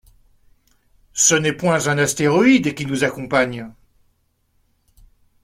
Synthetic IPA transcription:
sənɛpwɛ̃zɛ̃nast̪eʁɔid̪kʲinuzakɔ̃paɲ

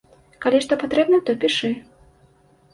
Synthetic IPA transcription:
kalʲiʂt̪ɔpat̪ɾɛbnɐt̪ɔpʲiʂɨ

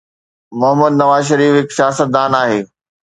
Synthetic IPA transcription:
mʊɦəməd̪̚nɐʋaːzʃ̬ɐɾiːfɦɪksijaːsət̪̚d̪aːnaːɦeː

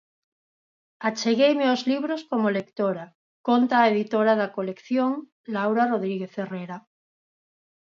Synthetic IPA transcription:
at͡ʃeɣejmeozliβ̞ɾoskomolekt̪oɾa | kont̪aːeðit̪oɾaðakolekθjoŋ | lawɾaroðɾiɣeθereɾa

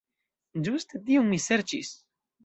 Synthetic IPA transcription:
d͡ʒust̪et̪ionmiseɾt͡ʃḭs

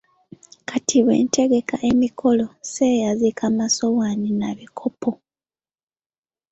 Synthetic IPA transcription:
kʰatʰiβwe̞̰ːnte̞ɡe̞kaʔemikʰo̞losejazikʰamaso̞waninaβikʰopʰo

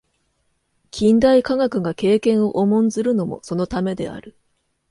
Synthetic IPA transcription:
kʲʰĩnd̪aikaŋakɯ̟ɡake̞ːkẽ̞ɰ̃o̞ʔomõ̞nd͡zɨɾɯ̟no̞mo̞̰so̞no̞t̪ame̞d̪e̞̰a̰ɾɯ̟

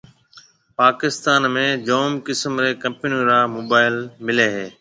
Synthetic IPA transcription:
paːkɪst̪aːnmẽːd͡ʒoːmkɪsəmɾeːkɐ̃mpɪnjũːɾaːmoːbaːɪlmɪleːɦeː

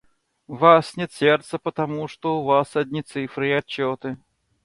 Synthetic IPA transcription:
vasnʲɛt̪sʲeɛrt̪səpət̪ɐmuʂt̪oʊvasɐd̪ʲnʲit̪sɨfɾɨiɐt͡ɕːɔt̪ɨ

